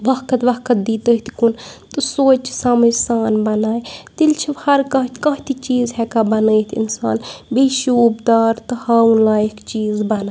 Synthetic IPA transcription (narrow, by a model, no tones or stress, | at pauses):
ʋɐkɐt̪ʋɐkɐt̪̚d̪iːt̪əɦt̪kunt̪ɨsoːt͡ʃi̥saməsaːnbɐnaːjt̪ilt͡ʃʰihɐɾkɐkɐ̃ɦt̪it͡ʃiːzɦɛkabɐnəjt̪ʰḭnsa̰ːnbeʃuupd̪aːɾt̪ɨhɐunlaːjekt͡ʃiːzbɐnaː